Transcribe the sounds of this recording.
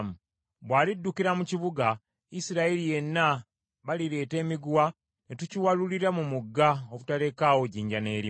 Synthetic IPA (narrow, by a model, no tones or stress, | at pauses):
mu | βwaːlidːukiɾamuciβuɡa | isiɾaelije̞nːa | βaliɾe̞ːte̞ːmiɡuwa | netuciwaluliɾamumuɡːaoβutale̞kaːwo̞ɟiːɲɟane̞ːɾi